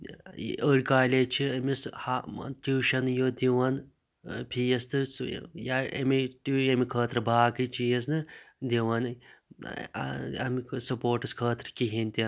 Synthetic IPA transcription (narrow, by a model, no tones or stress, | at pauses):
əɽʲkaːlʲeːt͡ʃʰiɐmisha̰t̪ʲuːʃɐnjoːd̪iʋɐn | pʰijɐst̪ɨsjaɐ̰mit̪uɐmikʰəːt̪ɾɨbaːkɨt͡ʃijɐs̬nɨd̪iʋɐn | ɐ̰misɐpoːɾʈɨskʰəːt̪ɾkiɦinʲt̪ʲi